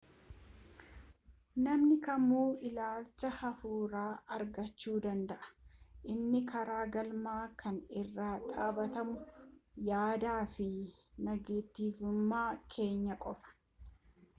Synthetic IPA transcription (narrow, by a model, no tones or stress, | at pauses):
nɐmnɪkɐmːuːʔɪlaːlt͡ʃːɐhɐfuːɾaːʔɐɾɡɐt͡ʃːuːd̪ɐnd̪ɐʔɐ̥ʔɪnːɪkʰɐɾaːɡɐlmaːkʰɐnɪrːaːᶑaːbɐt̪ɐmʊjaːd̪aːfɪnɐɡeːt̪ːiːfʊmːaːkʰe̞ːɲːɐkʼɔfɐ̥